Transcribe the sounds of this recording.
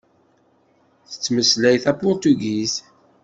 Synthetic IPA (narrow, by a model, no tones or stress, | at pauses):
θə̥t͡sːməslæjθæpʊɾt̪uɡiz